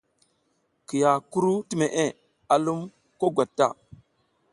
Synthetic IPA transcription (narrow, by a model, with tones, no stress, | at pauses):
ki˨ja˨ku˦ɾu˦ti˦me˨ʔe˦ | a˨lu˦m | ko˦ɡʷa˨tːa̰˦˨